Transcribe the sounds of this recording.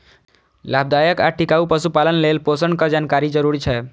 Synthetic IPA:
lab̚d̪ajəka̰ʈikaupəsupalənlelposəɳkəd͡ʒaːnkaɾid͡ʒəɾuɾit͡ʃʰɛ

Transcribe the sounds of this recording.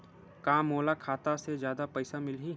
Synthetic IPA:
kãːmoːlakʰaːt̪ased͡ʒjaːd̪apɐɪsamɪlɦi

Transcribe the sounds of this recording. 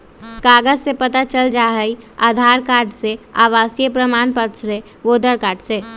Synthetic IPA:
kaːɡəd͡ʒsepət̪at͡ʃəld͡ʒaːɦəia̰ːd̪ʱaːɾkaːɾɖseaːʋaːsijəpɾəmaːnpət̪sɾe | ʋoːd̪əɽkaːɾɖse

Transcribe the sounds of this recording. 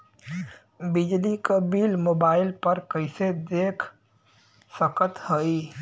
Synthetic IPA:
bid͡ʒlikabilmoːbaːɪlpəɾkəɪsed̪eːkʰ | səkət̪həi

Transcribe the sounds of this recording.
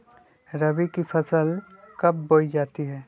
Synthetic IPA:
ɾɐbikipʰɐsəl | kɐp̚boːid͡ʒaːt̪iɦɛː

